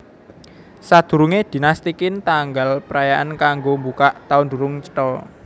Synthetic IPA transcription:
sad̪̥ṳɾuŋed̪̥i̤nast̪ikɪnt̪aŋɡalpəɾajaʔankaŋɡombukaʔt̪aʊnd̪ṳɾʊŋt͡ʃə̥ʈɔ

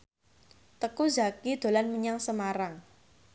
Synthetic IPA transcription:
t̪əkuzakid̪̥o̤lanməɲaŋsəmaɾaŋ

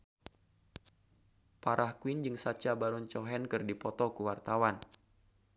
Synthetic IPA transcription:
paɾʔahkwind͡ʒɨŋsat͡ʃabaɾuɲt͡ʃɔɦɛnkɨrdipɔt̪ɔkuwart̪awan

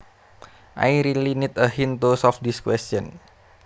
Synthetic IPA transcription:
ʔa̰jɾilinit̪əɦint̪osɔfd̪iskwɛst͡ʃɔn

